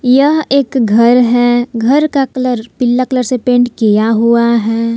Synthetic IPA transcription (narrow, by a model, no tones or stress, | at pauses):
jɐɦeːkɡʱɐɾɦɛɡʱɐɾkakələɾpɪlːakələɾsepẽːɳʈkijaɦuaɦɛː